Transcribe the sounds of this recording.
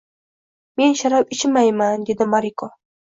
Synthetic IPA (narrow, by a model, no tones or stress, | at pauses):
me̞nʃaɾapɪt͡ʃɪmajmand̪e̞d̪ɪmaɾikʰo